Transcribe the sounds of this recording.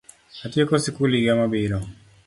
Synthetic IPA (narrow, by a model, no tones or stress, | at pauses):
atjekɔsikuliɡamabɪɾɔ